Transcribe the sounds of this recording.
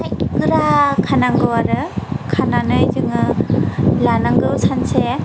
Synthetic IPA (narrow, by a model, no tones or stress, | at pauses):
ajkikɯɾakʰanaŋɡɯwaɾɯkʰananɯjzɯŋɯ | lanaŋɡɯwsanse